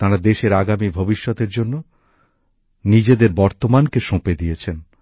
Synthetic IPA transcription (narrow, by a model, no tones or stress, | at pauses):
t̪aɾad̪eʃeɾaɡamibʱobiʃːɔt̪eɾd͡ʑonːo | nid͡ʑed̪eɾbɔɾt̪omankeʃõped̪ijet͡ɕʰen